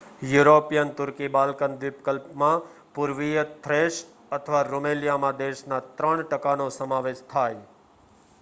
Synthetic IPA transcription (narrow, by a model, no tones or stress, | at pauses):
juɾopijənt̪ʊɾkibalkənʋɪpkəlpmã | pʊɾʋijət̪ʰɾeʃ | ət̪ʰəʋaɾomeljamãd̪eʃnat̪ɾəɳʈəkanosəmaʋeʃt̪ʰaj